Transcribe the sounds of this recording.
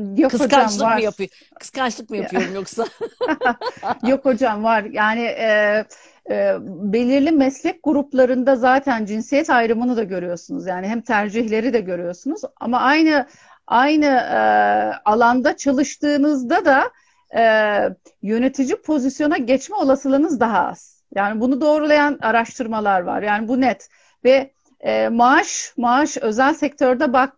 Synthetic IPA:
jokokaamˠvaɾjapɯjo | ɯ̥skʰant͡ʃlˠɯk̚mɯjaɯjoɾumjoksa | jo̞kʰod͡ʒamvaɾjaːnɪʔɛ | be̞lʲiɾlʲimɛslʲɛc̚ɡuɾuplˠaɾɯnd̪azaːt̪ʰænd͡ʒinsijɛt̪ajɾɯmɯnud̪aɟø̞ɾyjo̞sunuzjaːniɦɛmt̪ʰæɾd͡ʒiçlʲe̞ɾid̪ɛɟø̞ɾyjo̞sunuza̰maajnɯ | ajnɯ | alˠand̪at͡ʃʰalˠɯʃt̪ɯːnɯzd̪ad̪aː | jø̞ne̞t̪ʰid͡ʒipʰo̞zisjo̞naɟɛt͡ʃmɛo̞lˠasɯlˠɯnɯzd̪aɦaa̰z̥ | jaːnibunud̪o̞ːɾulˠajanaɾaʃt̪ʰɯɾmalˠaɾva̰ɾjaːnibunɛt̪ | vɛː | maaʃmaaʃø̞zælʲsɛc̚t̪ʰø̞ɾd̪ɛbak̚

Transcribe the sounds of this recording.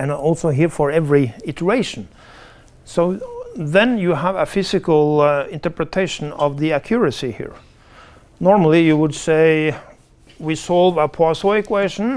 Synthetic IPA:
ɨ̃nɔlˠsoʊɦiɹfə˞ɛvɹiɪtʰə˞eɪʃn̩ | soʊðɨ̃njɨəvəfɪzɨkəl̩ˠɪ̃ntə˞pɹɨtʰeɪʃə̃n̩ʌvðiɨkʰj̥ʊɹɨsihḭɹ | nɔɹml̩ˠijɨwʊdseɪ | wisɔlˠvəpʰɔsoɨkʰweɪʃə̃n

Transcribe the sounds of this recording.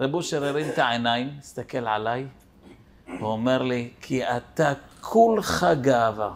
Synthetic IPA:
ɾabuʃeɾeɾimt̪aʕenajimːist̪ake̞lʕalaj | vuome̞ʁlikʰiat̪akʰulχaɡaava

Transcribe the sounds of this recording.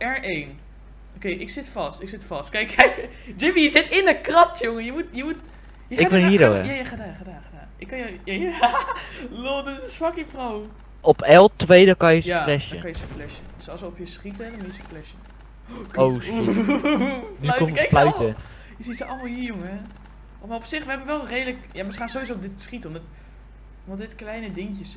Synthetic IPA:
ɛɹʔeːn | okejʔɪksɪtfɑstɪksɪtfɑstkɛjkːɛjk | d͡ʒɪmijəzɪtɪnəkrɑtjoŋəjəmutjəmut | jəɪʋɪniəɾoɛ̰jajaxədaːxdaːxadaːnɪkːɑjja | loːdəsfɔkiprow | ɔpɛlˠtʋejdəkɔnjəsaflɛʃjə̰kɔnjəsəflɛʃədøsɔlˠsəɔpjəsχitədɔnɪsəflɛʃə | kows | ʋikɔ̃əflœɥtə | jəsitsəʔɔlˠmɔlˠjijoŋəɛ | maɔpsɪxʋəɛbənʋɛlˠrejdələkjaməsχaːnsowizodɪtsχitəɔmdɔt | ndɔdɪtklɛjnədɪŋjəs

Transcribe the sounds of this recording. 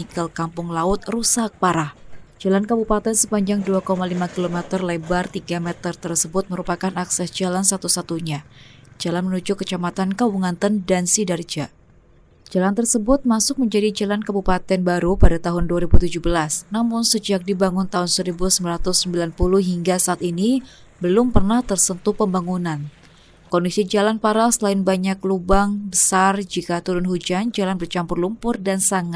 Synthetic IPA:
ikalkampʊŋlaʊt̪̚rusak̚paɾahd͡ʒalankabupat̪ɛnsəpaɲd͡ʒaŋduakomalimakilomɛt̪ərlebart̪iɡamɛt̪ərt̪ərsəbʊt̪̚məɾupakanaksɛsd͡ʒalansat̪usat̪uɲad͡ʒalanmənud͡ʒʊkːət͡ʃamat̪ankawuŋant̪əndansidard͡ʒa | d͡ʒalant̪ərsəbʊt̪̚masʊk̚məɲd͡ʒadid͡ʒalankabupat̪ɛnbaɾupadat̪aɦʊnduaɾibut̪ud͡ʒubəlasnamʊnsəd͡ʒak̚dibaŋʊnt̪aɦʊnsəɾibusəmbilaɾat̪ʊsːəmbilanpulʊhɦiŋɡasaʔːt̪ini | bəlʊmpərnaht̪ərsənt̪upəmbaŋunan | kɔndisid͡ʒalanpaɾasəlaɪnbaɲaklubaŋbəsard͡ʒikat̪uɾʊnɦud͡ʒand͡ʒalanbərt͡ʃampʊrlumpʊrdansaŋat̪̚

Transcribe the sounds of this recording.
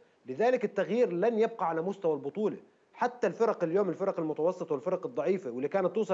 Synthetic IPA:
lɪðaːlɪkɪt̪ːaɣjiːɾlanjab̚qɑʕalamʊst̪awalbʊt̪ˤuːle | ħat̪ːalfɪɾˤɑqɪljoːmɪlfɪɾˤɑqɪlmʊt̪ɑwɑsˤːɨt̪ˤwɪlfɪɾɑqɨd̪ˤːɑʕiːfawɪlːikaːnat̪ːuːsˤɑ

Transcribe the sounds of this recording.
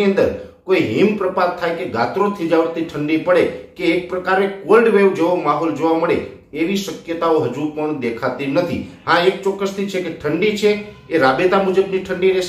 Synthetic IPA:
iə̃nd̪əɾkoiɦimpɾəpat̪̚t̪ʰːajkeɡat̪ɾot̪ʰid͡ʒaʋəɾt̪iʈʰəɳɖipəɽekeːk̚pɾəkaɾekolɖʋeʋd͡ʒeʋomaɦɔld͡ʒoʋaməɭḛ | eʋiʃəkjət̪aoɦəd͡ʒupəɳd̪ekʰat̪inət̪ʰḭɦãek̚t͡ʃɔkːəst̪ʰit͡ʃʰekeʈʰəɳɖit͡ʃʰeːɾabet̪amud͡ʒəbniʈʰəɳɖiɾe

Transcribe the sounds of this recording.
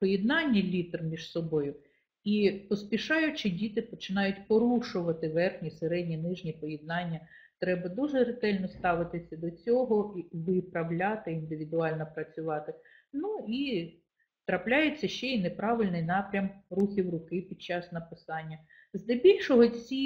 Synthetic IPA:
pɔjɛd̪nɑnʲːɐlʲit̪rmʲiʒsɔbɔjʊ | ipɔspʲiʃɑjʊt͡ʃɪdʲit̪ɪpɔt͡ʃɪnɑjʊtʲpɔɾuʃʊʋɐt̪ɪʋɛrxnʲiseɾɛdʲnʲinɪʒnʲipɔjɛd̪̚nɑnʲːɐ | t̪ɾɛbɐd̪uʒɛɾɪt̪ɛlʲnɔst̪ɑʋɪt̪ɪsʲɐd̪ɔt͡sʲɔɦɔiʋɪpɾɐwlʲɑt̪ɪind̪ɪʋʲid̪ʊɑlʲnɔpɾɐt͡sʲʊʋɑt̪ɪ | nui | t̪ɾɐplʲajet͡sʲːɐʃt͡ʃɛinepɾɑʋɪlʲnɪjnɑpɾʲɐmruxʲiwrʊkɪpʲid̪̥̚t͡ʃːɑsnɐpɪsɑnʲːɐ | zd̪ɛbʲilʲʃɔɦɔt͡sʲi

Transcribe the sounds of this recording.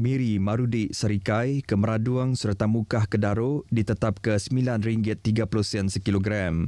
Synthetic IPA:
miɾimãɾudiʔsəɾikajkəməɾaduaŋsərt̪amukahkədaɾodit̪ət̪ap̚kəsəmilanɾiŋɡɪt̪ːiɡapuluhsɛnsəkiloɡɾam

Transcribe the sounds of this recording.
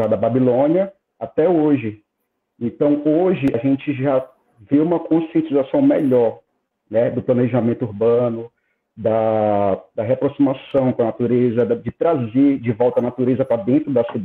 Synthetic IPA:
ad̪ɐbabilõniɐ | at̪ɛoʒɪ | ẽnt̪ɐ̃w̃oʒɪaʒẽt͡ʃɪʒa | veũmɐkõsiẽnt͡ʃizasɐ̃w̃meʎɔɾ | nɛd̪ʊplɐ̃neʒamẽnt̪ʊuɾbɐ̃nʊ | d̪ɐ | d̪ɐɦeapɾosimasɐ̃w̃kõɐnat̪uɾezɐd͡ʒɪt̪ɾazed͡ʒɪvɔwt̪ɐnat̪uɾezɐpɾad̪ẽnt̪ɾʊd̪ɐsid̪

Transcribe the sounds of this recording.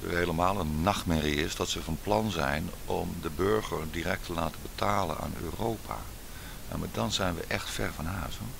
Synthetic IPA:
ə̰ɦejləmaːlˠənːɑxtmɪriɪsdɑtsəvɑnplɑnzɛ̰jn | ɔmdəbøɹɣəɹdirɛk̚tʰəlaːtəbətʰaːlə̰na̰ːnø̰ːrowpʰa̰ | ja̰madɑnzɛjnʋə̰ʔɛxtfɛ̰ɹvɑnɦœːso

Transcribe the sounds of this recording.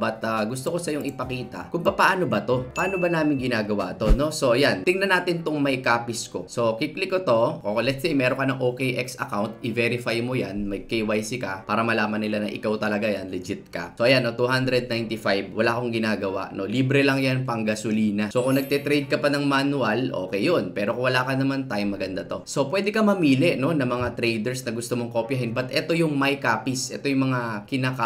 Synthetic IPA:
bɐt̪aɡʊst̪oko̞sɐjo̞ŋʔɪpɐkiːt̪ɐ̰kʊmpɐpaʔaːno̞bɐt̪o̞pɐʔaːno̞bɐnaːmɪŋɡɪnaːɡɐwa̰t̪o̞no̞so̞ʔɐjant̪ɪŋnɐnaːt̪ɪnt̪oŋmɐjkaːpɪsko̞̰so̞kiklɪkːot̪o̞olɛt̪̚sejmɛːɾoŋkɐnɐŋʔoːkejʔɛksɐ̰kawnt̪̚ɪvɛɾɪfajmojanmɐɡkejwajsɪkɐpaːɾɐmɐlaːmɐnːɪlanɐʔɪ̰kawt̪ɐlɐɡajanlɪd͡ʒɪt̪̚kɐ̰so̞ʔɐjanːot̪uhand̪ɾɛd̪̚najnt̪ifajbwɐlaʔkoŋɡɪnaːɡɐwa̰ʔno̞liːbɾɛlɐŋjanpɐŋɡɐsʊliːnɐso̞kʊŋnɐɡ̚t̪ɛt̪ɾejd̪̚kɐpɐnɐŋmanʊɐlʔo̞̰ːkɛjo̞npɛːɾokʊwɐlaːkɐnɐmant̪ajmːɐɡɐnd̪at̪o̞so̞pwɛːd̪ɛkɐmɐmiːlɛʔno̞nɐmɐŋat̪ɾejd̪ɛɹsnɐɡʊst̪omoŋko̞ːpjɐɦɪnbɐt̪ʔɛt̪o̞jʊŋmɐjkaːpisʔɛ̰t̪o̞jʊŋmɐŋakɪnaːka

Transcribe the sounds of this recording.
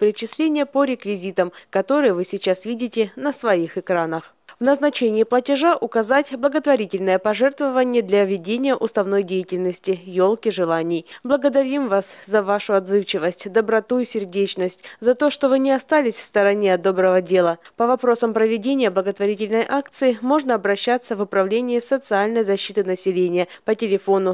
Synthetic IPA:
pɾʲɪt͡ɕɪsʲlʲenʲɪjəpəɾʲɪkvʲɪzʲit̪əmkɐt̪o̞ɾɨjəvɨsʲɪt͡ɕasvʲidʲɪtʲɪnəsvɐixɨkɾanəx | vnəznɐt͡ɕenʲɪːplˠətʲɪʐaʔʊkɐzatʲblˠəɡət̪vɐɾʲitʲɪlʲnəjəpɐʐɛrt̪vəvənʲɪjəd̪lʲɐvʲɪdʲenʲɪjəʔʊst̪ɐvno̞jdʲejɪtʲɪlʲnəsʲtʲɪjolˠkʲɪʐɨlˠanʲɪjblˠəɡəd̪ɐɾʲimvaszɐvaʂʊɐd̪zɨft͡ɕɪvəsʲtʲd̪əbɾɐt̪uɪsʲɪrdʲet͡ɕnəsʲtʲzɐt̪o̞ʂt̪o̞vɨnʲɪɐst̪alʲɪsʲfst̪əɾɐnʲeɐd̪d̪o̞bɾəvədʲe̞lˠəpəvɐpɾo̞səmpɾəvʲɪdʲenʲɪjəblˠəɡət̪vɐɾʲitʲɪlʲnəjʔakt̪sɨɪmo̞ʐnəɐbɾɐɕːat̪sːəvʊpɾɐvlʲenʲɪːsət̪sɨalʲnəjzɐɕːit̪ɨnəsʲɪlʲenʲɪjəpətʲɪlʲɪfo̞nʊ

